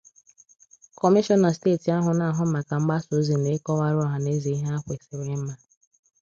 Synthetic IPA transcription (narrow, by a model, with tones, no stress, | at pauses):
kɔ˨mi˦ʃɔ˦nɔ˨steː˦˨ti˨a˦ɦʊ˨na˨ɦʊ˦ma˨ka˨ŋ͡m̩˦ɡ͡ba˦so˦zi˨ne˦kɔ˦wa˦ɾɔ˦ɦa˨ne˦zi˨i˦ɦa˦a˦kʷe˨sɪ˨ɾe˦m̩˦ma˦